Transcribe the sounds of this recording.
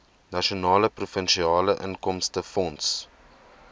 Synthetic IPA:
nɐʃionɑːləprufənʃiɑːləʔə̰nkɔmstəfɔnts

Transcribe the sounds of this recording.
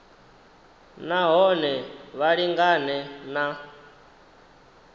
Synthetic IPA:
naɦɔnɛβaɺiŋɡanɛna

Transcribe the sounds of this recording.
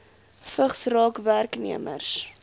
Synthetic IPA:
fəχsrɑːkværknḭəmə̰rs

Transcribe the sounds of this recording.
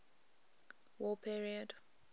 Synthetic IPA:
wɔpʰiɹiəd

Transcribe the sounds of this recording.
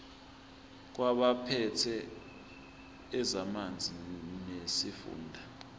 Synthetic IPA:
k̬waɓapʰɛtʰɛ | zamand͡zʱinesifṵːndʱa

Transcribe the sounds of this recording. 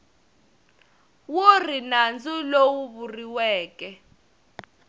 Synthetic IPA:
worinand͡zulowuβuriwɛːkʼɛ

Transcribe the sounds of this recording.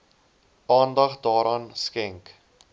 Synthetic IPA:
ʔɑːndɐχdɑːɾɑːnskɛŋk

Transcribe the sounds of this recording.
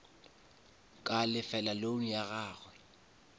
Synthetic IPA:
kʼalɪfɛlaloŋ̩jaɣaːɣwɛ

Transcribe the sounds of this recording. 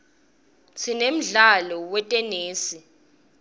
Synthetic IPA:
sʰinem̩ɮalɔwɛtʼɛneːsi

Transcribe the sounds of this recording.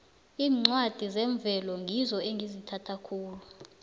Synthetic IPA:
iːŋ͡ǀwad̥ʱizɛɱb̪vʱɛlɔŋʱizɔeŋʱizitʰatʰakʰuːlu

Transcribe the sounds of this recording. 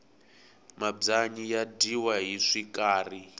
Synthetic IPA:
mab͡ʐaɲijadiwaɦiʂikaːri

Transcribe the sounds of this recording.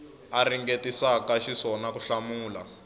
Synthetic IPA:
ariŋɡetisakaʃisɔnakuɬamuːla̰

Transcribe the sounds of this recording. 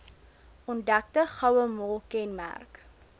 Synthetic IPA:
ɔndæk̚təχɐwəmɔlˠkɛnmæ̰rk

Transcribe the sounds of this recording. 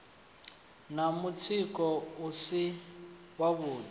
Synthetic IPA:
namut͡sʰikʼɔusi | waβuːd

